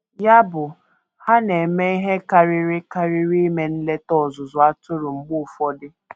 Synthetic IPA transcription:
ja˦bʊ˨ | ha˦ne˨me˦i˦ɦe˦ka˦ɾɪ˦ɾɪ˦ka˦ɾɪ˦ɾi˦me˦n̩˦le˦tɔ˦˨zʊ˨zʊ˨a˦tʊ˦ɾʊ˨ŋ͡m̩˦ɡ͡bʊ˦˨fɔ˦dɪ˦

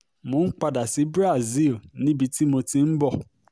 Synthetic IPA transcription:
mõ˨˦k͡pa˧da˨si˨˦bɾa˦˨zi˦˨lnĩ˦bi˧ti˦mo˧ti˦m̩˦bɔ˦˨

